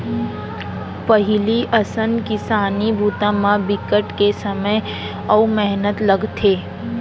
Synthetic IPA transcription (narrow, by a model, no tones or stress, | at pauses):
pɐɦɪliʔɐsənkɪsaːnibʱuːt̪ãmãbɪkəʈkesɐməj | ɔumɛɦnət̪lɐɡt̪ʰeː